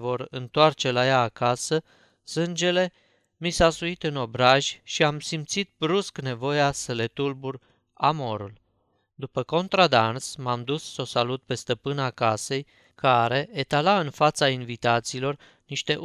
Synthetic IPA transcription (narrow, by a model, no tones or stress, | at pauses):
vo̞ɾɨnt̪oart͡ʃe̞lajaːkasə | sɨnd͡ʒe̞le̞ | misasuit̪ɨno̞bɾaʒʲʃiamsimpt̪sit̪̚bɾuskne̞vo̞jasəle̞t̪ulbur | amo̞ɾul | d̪upəko̞nt̪ɾad̪ansmamd̪usːo̞salut̪̚pe̞st̪əpɨnakase̞j | kaɾe̞ʔet̪alaɨnfat̪sainvit̪at̪siːlo̞r | niʃt̪e̞ʔ